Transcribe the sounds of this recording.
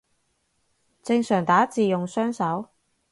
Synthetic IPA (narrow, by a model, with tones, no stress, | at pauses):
t͡sɪ˧ŋsœː˨˩ŋt̪aː˨˥t͡siː˨jʊ˨ŋsœː˥ŋsɐ˨˥w